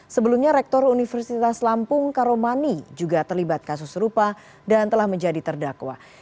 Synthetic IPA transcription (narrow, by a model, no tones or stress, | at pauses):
səbəlumɲaɾɛk̚t̪ɔɾunifərsit̪aslampʊŋkaɾomanid͡ʒuɡat̪ərlibat̪̚kasʊsɾupa | dant̪əlahməɲd͡ʒadit̪ərdakwa̰